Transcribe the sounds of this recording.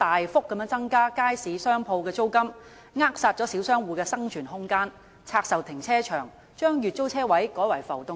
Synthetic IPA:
t̪aː˨jfʊ˥k̚ːɐ˨˥mjœː˧˥ŋt͡sɐ˥ŋkaː˥kaː˥jsiː˨˧sœː˥ŋpʰo˧wkɛː˧t͡so˥wkɐ˥m | ŋaː˥k̚saː˧t̚t͡ʃɔː˨˥si˨˥wsœː˥ŋwuː˨˧kɛː˧sɐ˥ŋt͡ʃʰyː˨˩nɦʊ˥ŋkaː˥n | t͡sʰaː˧k̚sɐ˨wt̪ʰɪ˨˩ŋt͡sʰɛː˥t͡ʃʰœː˨˩ŋ | t͡ʃœː˥ŋjyː˨t̚t͡so˥wt͡sʰɛː˥wɐ˨˥jkɔː˨˥jwɐ˨˩jfɐ˨˩wt̪ʊ˨˧

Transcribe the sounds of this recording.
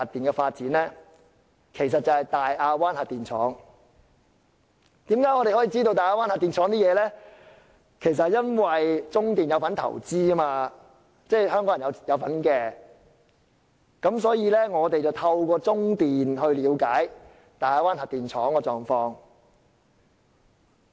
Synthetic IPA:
a˨t̚t̪iː˨nkɛ˧faː˧t̚t͡siː˨˥nlɛ˥ | kʰe˨˩js̬ɐ˨t̚t͡sɐ˨˧hɐ˨jt̪aː˨jaː˧waː˥nha˨t̚t̪iː˨nt͡ʃʰɔ̰ː˨˥ŋ | t̪iː˨˥mkaː˨˥jŋɔː˨˧e˨hɦɔ˨˥jiː˧t͡siː˥t̪o˧wt̪aː˨jaː˧waː˥nha˨t̪iː˨nt͡ʃʰɔː˨˥ŋt̪iː˥jɛː˨˧lɛː˥ | kʰe˨˩js̬ɐ˨t̚jɐ˥nwɐ˨jt͡sʊ˥ŋt̪iː˨njɐ˨˧wfɐ˨˥nt̪ʰɐ̰˨˩wt͡siː˥maː˧ | t͡sɛː˥˩jhœː˥ŋkɔ˨˥jɐ˨˩jɐ˧jɐ˨˧wfɐ˨˥nkɛː˧ | kɐ˨˥ms̬ɔː˨˥jiː˨˧lɛː˥ŋɔː˨˧t̪e˨jt͡sɐ˨wt̪ʰɐ˧wkʷɔː˧t͡sʊ˥ŋt̪iː˨nɦɵ˧ɥliː˨˧˥wkaː˨˥j | t̪aː˨jaː˧waː˥nhɐ˨t̚t̪iː˨˩nt͡ʃʰɔː˨˥ŋkɔː˧t͡sɔː˨˩ŋfɔː˧ŋ

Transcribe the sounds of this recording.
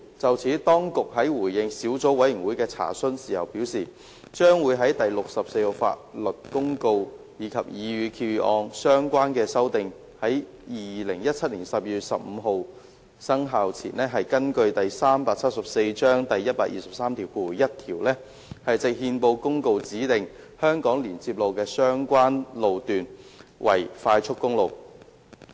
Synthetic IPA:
t͡sɐ˨wt͡sʰiː˨˥t̪ɔː˥ŋkʊ˨k̚ɦɐ˨˥jwuː˨˩jjɪ˨ŋsiː˨˥wt͡sɔː˨˥wɐ˨˥ji˨˩ŋwu˨˥jkɛː˧t͡sʰa̰ː˨˩sɵ˥nsiː˨˩hɐ̰˨˩wpiː˨˥wsiː˨˩ | t͡ʃœː˥ŋwuː˨˧jɦɐ˨˥jt̪ɐ˨jlʊ˨k̚sɐ˨p̚se˧jho˨˧wfa̰ː˧˥t̚lɵ˨˩t̚kʊ˥ŋko˧w | jiː˨˧kʰɐ˨p̚jiː˨˧jyː˨˧kʰi˧wɔː˧ŋsœː˥ŋkʷaː˥nkɛː˧sɐ˥wt̪ɪ˨ŋ | hɐ˨˥j | jiː˨lɪ˨˩ŋjɐ˥t̚t͡sʰɐ˥t̚liː˨˩nsɐ˨p̚jyː˨t̚sɐ˨p̚m̩ː˨˧ɦo˨˧w | sɐ˥ŋɦaː˨˧wt͡sʰḭː˨˩nɛː˥ɦɐ˨jkɐ˥nkɵ˧ɥt̪ɐ˨jsaː˥mpaː˧k̚t͡sʰɐ˥t̚sɐ˨p̚se˧jt͡ʃœː˥ŋt̪ɐ˨jːɐ˥t̚paː˧˥k̚jiː˨sɐ˨p̚saː˥mt̪ʰiː˨˩wkuː˨˩jɐ˥t̚t̪ʰiː˨˩wlɛː˥ | hɐ˨jt͡sɪ˨˧k̚hiː˧npo˧wkʊ˥ŋko˧wt͡siː˨˥t̪ɪ˨ŋ | hœː˥ŋkɔː˨˥ŋliː˨˩nt͡siː˧p̚lo˨˧wkɛː˧sœː˥ŋkʷaː˥nlo˨˧wt̪yː˨nwʔɐ̰˨˩jfaː˧jt͡ʃʰʊ˥kːʊ˥ŋlo˨˧w

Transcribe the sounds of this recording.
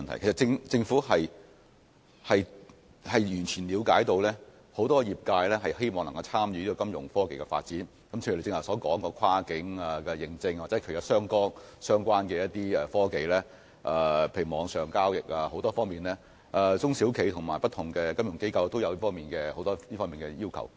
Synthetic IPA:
nt̪ʰɐ˨˩jkʰstt͡sɪ˧ŋt͡sɪ˧ŋfuː˨˥ɦɐ˨j | hɐ˨j | hɐ˨jjyː˨˩nt͡ʃʰyː˨˩nliː˨˧wkaː˨˥jt̪o˧wlɛː˥ | ho˨˥wt̪ɔː˥jiː˨˩p̚kaː˧jlɛː˥ɦɐ˨jhe˥jmɔː˨ŋlŋkɐ˧wt͡sʰaː˥mjyː˨˧iː˥kɔː˧kɐ˥mjʊ̰˨˩ŋfɔː˥ke˨jkɛ˧fa̰ː˧t̚t͡siː˨˥n | kɐ˨mt͡ɕʰːt͡sɪ˧ŋɐ˨˩wsɔː˨˥kɔː˨˥ŋkɔː˧kʷʰwaː˥kɪ˨˥ŋaː˨˧kɛ˧jɪ˨˧ŋt͡sɪ˧ŋwa˨t͡sɛ˨˧˥kʰɵ˨˩jɔ˨˥sœː˥ŋkɔː˥ŋsœː˥ŋkʷwaː˥nkɛː˧jɐ˥t̪iː˥ɛː˨˧fɔː˥ke˨jlɛː˥ | ʔɛː˨˩pʰe˧jy˨˩mɔː˨˧ŋsœː˨˩ŋkaː˥wjɪ˨k̚aː˧ho˨˥wt̪ɔː˥fɔː˥ŋmiː˨nlɛː˥ | ʔɛ˨˧t͡sʊ˥ŋsiː˨˥wkʰe˨˧jt̪ʰʊ˨˩ŋma̰ː˨˩jpɐ˥t̪ʰʊ˨˩ŋkɛː˧kɐ˥mjʊ˨˩ŋke˥jkɐ˧wt̪o˥wjɐ˨˧wliː˥fɔː˥ŋmiː˨nkɛː˧ho˨˥wt̪ɔː˥liː˥fɔː˥miː˨˩ŋkɛː˧jiː˥wkʰɐ̰˨˩w

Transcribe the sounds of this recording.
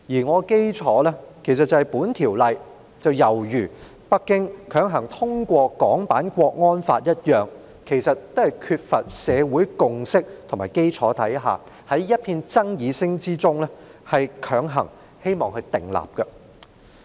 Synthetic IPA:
jiː˨˩ŋɔː˨˧ke˥jt͡ʃʰɔː˨˥lɛː˥kʰe˨˩js̬ɐ˨t̚t͡sːɐ˨˧hɐ˨˩jpuː˨˥nt̪ʰiː˨˩wlɐ˨j | t͡sɐ˨wjɐ˨˩wjyː˨˩ | pɐ˥kːɪ˥ŋkʰœː˨˥ŋɦɐ˨˩ŋt̪ʰʊ˥ŋkʷɔː˧kɔː˨˥ŋpaː˨˥nkʷɔː˧k̚ŋɔː˥nfa̰ː˧t̚jɐ˥t̚jœː˨˩ŋ | kʰe˨˩jsɐ˨t̚t̪ːo˥hɐ˨˩jkʰyː˧t̚fɐ˨t̚sɛː˨˧wuː˨˥jkʊ˨ŋsɪ˥k̚t̪ʰʊ˨˩ŋmaː˨˩jke˥jt͡ʃʰɔː˨˥t̪ʰɐ˨˥jɦa̰ː˨ | hɐ˨˥jːɐ˥t̚pʰiː˧nt͡sɐ˥ŋjiː˨˧sɪ˥ŋt͡siː˥t͡sʊ˥ŋlɛ˥hɐ˨jkʰœː˨˥ŋɦɐ˨˩ŋ | he˥jmɔː˨ŋhɵ˧ɥt̪ɪ˨˩ŋla̰ː˨p̚kɐ˧

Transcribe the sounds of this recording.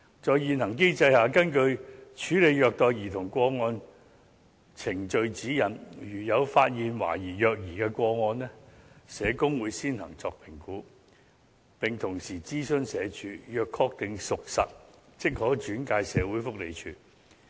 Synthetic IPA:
t͡sɔː˨jjiː˨˧nhɐ˨˩ŋk̬e˥jt͡sɐ˧jhaː˨˧kɐ˥nkɵ˧ɥt͡ʃʰyː˨˥le˨˧jjœː˨˧k̚t̪ɔː˨jjiː˨˩t̪ʰʊ˨˩ŋkʷɔː˧ŋɔː˧n | t͡sʰɪ˨˩ŋt͡ʃɵ˧ɥt͡siː˨˥jɐ˨˩njyː˨˩jɐ˨˧wfaː˧t̚jiː˨nwa̰ː˨˩jiː˨˩jœː˧k̚jiː˨˩kɛː˧kʷɔː˧ŋɔː˧nlɛ˥sɛː˨˧kʊ˥ŋwuː˨˧jsiː˥nhɐ̰˨˩ŋt͡sɔː˧k̚pʰɪ˨˩ŋkuː˨˥ | pɪ˨ŋt̪ʰʊ˨˩ŋsiː˨˩t͡siː˥sɵ˧nsɛː˨˧t͡ʃyː˨˥jœː˨kʰːɔː˧k̚t̪ɪ˨ŋsʊ˨k̚sɐ̰˨t̚t͡sɪ˥k̚hɔː˨˥t͡ʃyː˨˥nkaː˧jsɛː˨˧wuː˨˥jfʊ˥k̚le˨˧jt͡ʃʰyː˨˩

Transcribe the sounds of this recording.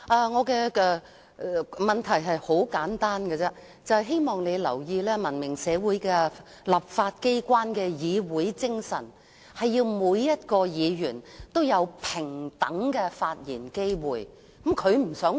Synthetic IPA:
ʔɐː˨˧ŋɔː˨˧kɛː˧ɛ˧˨ | mɐ˨nt̪ʰɐ˨˩jɦɐ˨jho˨˥wkaː˨˥nt̪aː˥nkɛ˧t͡sɛ˥ | t͡sɐ˨˧whɐ˨jɦe˥jmɔː˨ŋne˨˧jlɐ˨˩wjiː˧lɛː˥mɐ˨˩nmɪ˨˩ŋsɛː˨˧wuː˨˥jkɛ˧ | lɐ˨p̚faː˧t̚ke˥jkʷwaː˥nkɛː˧jiː˨˧wuː˨˥jt͡sɪ˥ŋsɐ̰˨˩n | hɐ˨jjiː˧wmuː˨˧jːɐ˥t̚kɔː˧jiː˨˧jyː˨˩nt̪o˥wjɐ˨˧wpʰɪ˨˩ŋt̪ɐ˨˥ŋkɛː˧faː˧t̚jiː˨˩nke˥jwuː˨˩j | kmkʰɵ˨˧ɥm̩˨˩sœː˨˥ŋ

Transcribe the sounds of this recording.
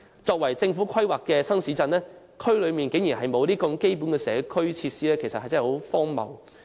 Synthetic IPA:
t͡sɔː˧k̚wɐ˨˩jt͡sɪ˧ŋfuː˨˥kʰɐ˥jwaː˨kːɛː˧sɐ˥ŋsiː˨˥t͡sɐ˧nlɛː˥ | kʰɵ˥ɥlɵ˨˧miː˨nke˨˥ŋjiː˨˩ɦɐ˨jmo˨˧wliː˥kɐ˧ŋke˥jp̬uː˨˥nkɛː˧sɛː˨˧kʰɵ˥ɥt͡sʰiː˧t̚siː˥lɛː˥kʰjsɐ˨hɐ˨jt͡sɐ˥˨˩ho˨˧˥wfɔː˥ŋmɐ̰˨w

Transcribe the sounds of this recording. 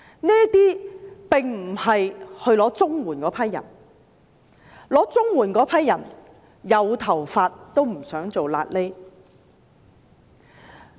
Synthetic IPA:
nɛː˥t̪iː˥pɪ˨ŋm̩˨˩hɐ˨jhɵ˧ɥlɔː˨˥t͡sʊ˥ŋwuː˨˩nkɔː˨˥pʰɐ˥jːɐ̰˨˩n | lɔː˨˥t͡sʊ˥ŋwuː˨˩nkɔː˨˥pʰɐ˥jɐ˨˩n | jɐ˨˧wt̪ʰɐ˨˩wfaː˧t̚t̪o˥wm̩˨˩sœː˨˥ŋt͡so˨wla̰ː˧t̚le˥

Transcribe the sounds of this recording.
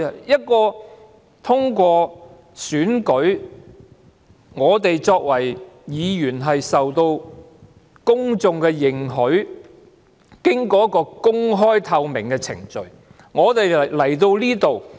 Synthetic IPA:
jɐ˥t̚kɔː˧ | t̪ʰʊ˥ŋkʷɔː˧ | syː˨˥nkɵ˨˥ɥ | ŋɔː˨˧t̪e˨jt͡sɔː˧k̚wɐ˨˩jjiː˨˧jyː˨˩nɦɐ˨jsɐ˨wt̪o˧w | kʊ˥ŋt͡sʊ˨˧ŋkɛ˧jɪ˨ŋɦɵ˨˥ɥ | kɪ˥ŋkɔː˧jɐ˥tkːɔː˧kʊ˥ŋɦɔː˥jt̪ʰɐ˧wmɪ˨˩ŋkɛ˧t͡sʰɪ̰˨˩ŋt͡ʃɵ˨ɥ | ŋɔː˨˧t̪e˨jlɐ˨˩jt̪o˧wliː˥t̪o˨w

